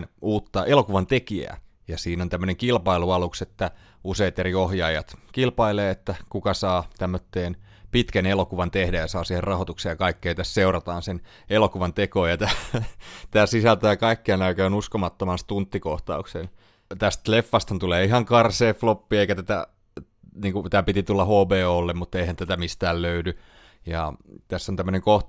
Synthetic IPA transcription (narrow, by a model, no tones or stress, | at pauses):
nuːt̪ːɑʔelokuʋɑnt̪ekiæ̰ | jɑsiːnont̪æmːøneŋkilpɑiluɑlukset̪ːæ | useit̪eɾiohjɑːjɑt̪kilpɑileːet̪ːækukɑsɑːt̪æmːøt̪ːeːn | pit̪kænelokuʋɑnt̪ehdæjɑsɑːsiherrɑhot̪ukseːjɑkɑikːeːt̪æsseurɑt̪ɑːnsen | elokuʋɑnt̪ekoːjɑt̪æːt̪æːsisælt̪æjɑkɑikːeɑnæykæønuskomɑt̪ːomɑst̪unt̪ːikoht̪ɑ̰uksen | t̪æst̪lefːɑst̪hɑnt̪uleːiɦɑŋkɑrseːflopːiːeikæt̪æt̪æ̰ | niːŋkut̪æːpit̪it̪ulːɑhoːpeːolːemmut̪ːeihænt̪æt̪æmist̪æːlløydy | jɑ̰t̪æsːont̪æmːøəneŋkoh